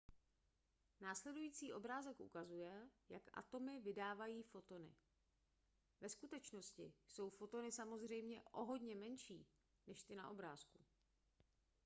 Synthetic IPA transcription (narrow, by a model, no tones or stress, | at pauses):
naːslɛdujiːt͡siːʔo̞bɾaːzɛkʔṵkazujɛja̰kʔa̰t̪o̞mɪvɪdaːvajiːfo̞t̪o̞nɪ̰ | vɛskut̪ɛt͡ʃno̞scɪso̞wfo̞t̪o̞nɪsamo̞zr̝ɛjmɲɛʔo̞ɦo̞dɲɛmɛnʃḭː | nɛʃt̪ɪna̰ʔo̞bɾaːsku